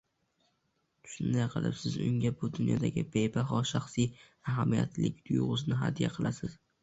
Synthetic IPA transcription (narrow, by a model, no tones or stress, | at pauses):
ʃʊnd̪ajqʰɨ̰lˠɪ̰psɪzʊ̰ŋʲabʊd̪ʊnjɒ̰d̪aɡʲɪbejbaɦɒʃaχsij | aɦamija̰t̪ʰlɪ̰k̚ʲd̪̥ʊjʁʊznɪɦa̰d̪ija̰qʰɨlˠasɪz̥